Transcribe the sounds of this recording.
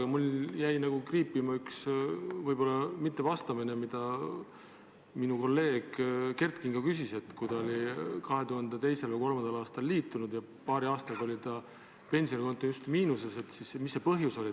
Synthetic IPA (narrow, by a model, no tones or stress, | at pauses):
ɡ̥ɑmuljæjnɑɡ̥ukriːpːˑimɑyksvɤjb̥o̞lːɑmit̪ːe̞vɑst̪ɑminemid̪̥ɑ | minuko̞lːe̞ːɡ̥ke̞rt̪kiŋɡ̥ɑkysise̞t̪ːˑkujd̪ɑolʲikɑɦe̞t̪uhɑnd̪̥et̪e̞jse̞lko̞lmɑnd̪̥ɑlɑːst̪ɑlːiːt̪ːˑunud̪̥jɑ | pɑːɾiɑːst̪ɑɡ̥ɑo̞lʲit̪ɑ | pe̞nʲsio̞nʲiko̞nt̪ːˑujust̪miːnuse̞se̞t̪ˑsismisːe̞pɤɦjuso̞li